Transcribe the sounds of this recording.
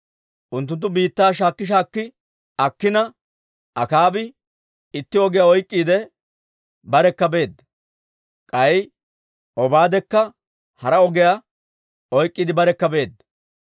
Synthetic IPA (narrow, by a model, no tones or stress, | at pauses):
ʔʊnt̪̬ːʊnt̪ːʊbiːt̪ːaːʃ̬aːkːɪʃ̬aːkːɪ | ɐkːɪnɐ | ʔɐkaːbɪ | ɪt̪ːɪɔɡɛjaɔjkʼːiːd̪ɛ | bɐɾɛkːɐbe̞ːd̪ɐ | kʼɐj | ʔɔbaːd̪ɛkːɐ | hɐɾɐɔɡɛja | ɔjkʼːiːd̪ɪbɐɾɛkːɐbe̞ːd̪ːɐ